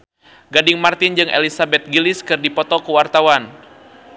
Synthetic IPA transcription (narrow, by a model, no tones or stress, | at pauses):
ɡadɪŋmart̪ɪnd͡ʒɨŋʔḛlisabɛt̪̚ɡilɪskɨrdipɔt̪ɔkuwart̪awan